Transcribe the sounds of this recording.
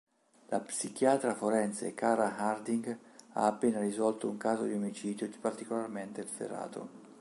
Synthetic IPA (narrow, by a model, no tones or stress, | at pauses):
lapsik̟jaːt̪ɾafoɾɛnt̪sḛkaːɾaɦard̪iŋɡa̰ːpːeːnaɾizɔlt̪ouŋkaːzod̪iomit͡ʃiːd̪jopart̪ikolarment̪eθḛrːa̰ːt̪ʰo̰